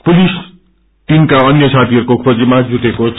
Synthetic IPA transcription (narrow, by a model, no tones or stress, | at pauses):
pulis | ʈimkaʌnjʌt͡sʰat̪iʌɾukokʰrod͡zimad͡zuʈekot͡sʰ